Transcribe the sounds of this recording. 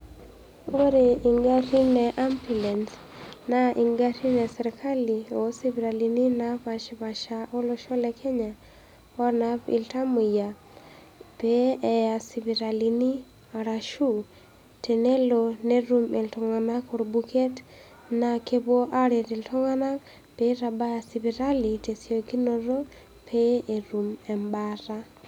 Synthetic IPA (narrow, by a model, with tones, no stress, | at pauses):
o˦ɾe˨i˨ŋɡa˦ti˦nɛ˨ʔa˦mpi˨lɛ˨nt | na˦ʔi˨ŋɡa˦ti˦nɛ˨sɛ˨ɾkʰa˦li˨o˨˦si˦βi˨ɾa˨li˨ni˦na˦pa˨ʃβa˨ʃa˨ʔɔ˦lɔ˦ʃɔ˦lɛ˦kʰɛ˦ɲa˨ | o˦ɾna˨pɪ̰˨lta˦mu˨ja˨ | pɛ˦ɛ˨ja˨si˨βi˨ɾa˨li˨ni˦ | a˨ɾa˨ʃu˦˨ | te˨ne˦lo˨ne˦ɾu˦me˨ltɔ˨ŋa˨na˦ko˨ɾbu˦kʰe˦t | na˨ke˦bwo˦ʔa˦ɾe˨ti˨ltʰɔ˦ŋa˦na˦ | pe˦ɾa˨ba˦a˨si˨βi˨ɾa˦li˨te˨sjo˨ki˦noɾo˦ | pʰe˦ʔe˨ɾu˨mɛ˨mbaɾa˦